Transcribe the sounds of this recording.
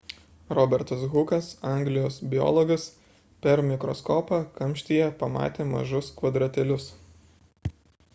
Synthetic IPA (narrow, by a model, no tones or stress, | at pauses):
ɾɔːbʲɛɾt̪ɐsɣʊkɐsɑˑŋʲɡlʲɪjoːsbʲɪjɔ̰ːlˠɔɡɐs | pʲɛɾmʲɪkɾɔskoːpɑkɐmʲˑʃʲt̪ʲijɛpɐmɑ̰ːt̪ʲeːmɐ̰ʒʊskʋɐd̪ɾɐt̪ʲɛlʲʊs